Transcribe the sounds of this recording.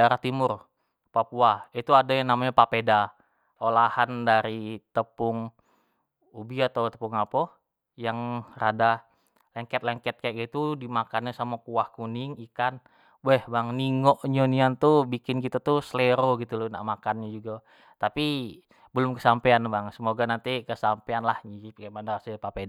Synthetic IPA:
eɾat̪imʊr | papuait̪uadajaŋnamaɲapapeda | olahandaɾit̪əpʊŋ | ubiat̪awt̪ə̥puŋapɔ | jaŋrada | lɛŋkɛt̪̚lɛŋkɛt̪̚kajaʔkit̪udimakanɲasamakuahkunɪŋikan | wɛhbaŋniŋoʔɲoniant̪ubikɪnkit̪at̪usleɾoɡit̪ulna̰ʔmakanɲad͡ʒuɡa | t̪api | bəlʊmkəsampeanbaŋsəmoɡanant̪ikəsampeanlahɲiip̚kamanarasapapeda

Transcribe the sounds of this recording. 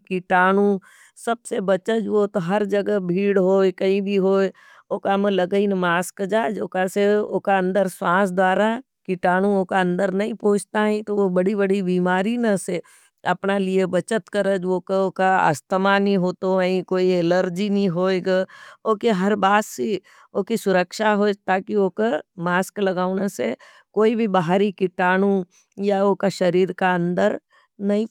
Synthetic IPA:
kiʈaːɽũ | sɐbsebɐt͡ʃəd͡ʒʋot̪ɦɐɾd͡ʒɐɡəbʱiːɽɦoːekɐĩbʱiɦoːe | oːkamə̃ləɡəinmaːskd͡ʒaːd͡ʒoːkaseokaə̃nd̪əɾsaːsd̪waːɾa | kɪʈaːɽ̃ũoːkaə̃nd̪əɾnɐĩpõːt͡ʃʰt̪aɦĩt̪oʋobɐɽibəɽibiːmaːɾinəse | ɐpnaliebɐt͡ʃət̪kɐɾəd͡ʒʋoːkoːkaɐ̰st̪əmanĩɦoːt̪oəĩkoːieləɾd͡ʒinĩɦoːeɡaoːkeɦɐɾbaːt̪si | oːkisʊɾəkʃaɦoːd͡ʒt̪aːkioːkəmaːsklɐɡaːʊnase | koːibʱibaɦaɾikɪʈaːɽ̃ũ | jaoːkaʃɐɾiːɾkaɐ̃nd̪əɾ | nɐɦĩ

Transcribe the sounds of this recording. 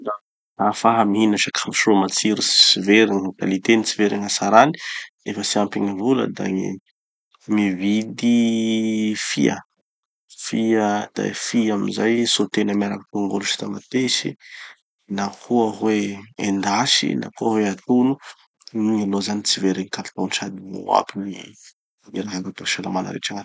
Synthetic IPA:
a | afaɦamiɦinaʃakʰamiʃomat͡siɾisi̥siveɾiŋkalit̪enit͡siveɾiŋasaɾani̥ | efəsiampiŋivulə̰d̪a̰ḭ | mivid̪i | fḭə̰ | fiəd̪̥a̰fiamizajsot̪enəmaɾakat̪oŋɡolusi̥t̪amat̪esḭ | nakʰuəɦweend̪aʃḭnʔa̰kuəɦweat̪unu | ɲilozanit͡siveɾiŋikat̪t̪onʈ͡ʂad̪imṵa̰pini | miɾaɦaŋat̪aʃalamanə̰ɾḛʈ͡ʂaŋan

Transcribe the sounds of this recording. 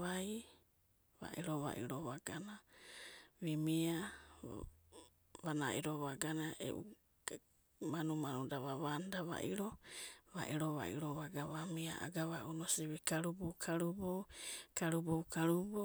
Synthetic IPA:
aj | βa̰ʔiɾoβa̰ʔḭɾoβaɡana | βimia | βanaʔiɾoβaɡanaʔḛʔṵ | manumanudaβaβandaβa̰ʔiɾoβa̰ʔiɾoβa̰ʔḭɾoβaɡaβamia̰ʔa̰ɡaβaʔunosiβikaɾubokʰaɾubowkaɾubowkaɾubo

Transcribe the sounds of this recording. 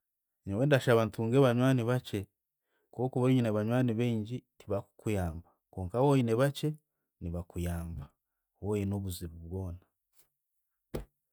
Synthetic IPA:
ɲoweːndaʃaβantuːŋɡeβaɲwaːniβat͡ʃe̞ | ko̞kuβaɲineβaɲwaːniβeːɲɟitʰiβaku̥kujaːmbakoːŋkawojineβat͡ʃe̞ | niβakujaːmba | woːjeno̞ːβuziɾuβwo̞ːna

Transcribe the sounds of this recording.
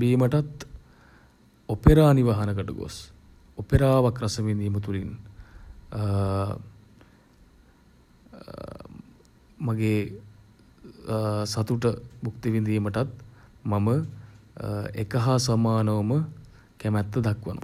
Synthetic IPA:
biːməʈat̪ | opeɾaːniʋaːɦɐnəkəʈəɡo̰s | opeɾaːʋakɾɐsəʋind̪ijːmət̪ulin | maɡeː | sat̪uʈəbukt̪iʋind̪iːməʈat̪mamə | ḛkəɦasamaːnəʋəmə | kæmɛt̪ːəd̪akʋə̰nʔo̰

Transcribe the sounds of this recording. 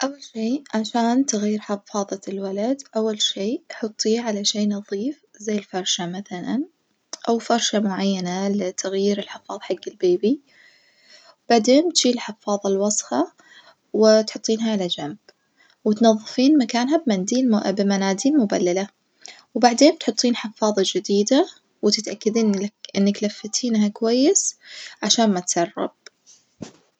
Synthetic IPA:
ʔawːalʃiːʕaʃaːnt̪aɣjiːɾħɑfːɑːðˤɑlwalad̪ʔawːalʃiːħʊt̪ˤːiːʕalaʃeːnɑðˤiːfzajːɪlfɑɾˤʃamaθala̰n | ʔawfɑɾˤʃamʊʕajːanalɪt̪ʰaɣjiːɾɪlħɪfɑːðˤħaɡːɪlbeːbi | wb̥aʕd̪eːnt̪ʒ̥iːɪlħɪfːɑːðˤɑlwɑsˤfɑ | wɪt̪ħʊt̪ˤːiːnɦaʕalad͡ʒamb̥ | wɪt̪nɑðˤːɨfiːnmakaːnɦabmand̪iːbɪmanaːd̪iːlmʊbalːala | wbaʕd̪eːnt̪ħʊt̪ˤːiːnħɪfɑːðˤɑd͡ʒɪd̪iːd̪a | wɪt̪ɪt̪ʔakːad̪iːnʔɪnːaklafːat̪ʰiːnɦakwajːɪsʕaʃaːnmat̪sɑrˤːɑ̰b̥̚

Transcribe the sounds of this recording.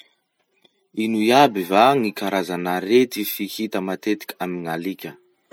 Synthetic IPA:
inuiabivaŋikaɾazanaɾet̪ifihit̪əmat̪et̪i̥kʲamiŋalikʲə

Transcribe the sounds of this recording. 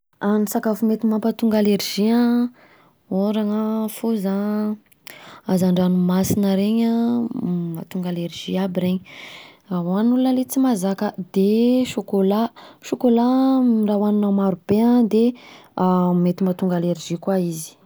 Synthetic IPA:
anisakafumet̪imampat̪uŋɡaleɾʒiã | oɾaŋəfuza | azaɳɖ͡ʐanumasinəɾeɲa | mat̪uŋɡaleɾʒ̥iabiɾeɲəaɦanulunəlet͡simazakəd̪eʃokolaʃokolaɖ͡ʐawaninamaɾub̥ead̪eamet̪imat̪uŋɡaleɾiʒikwaizi̥

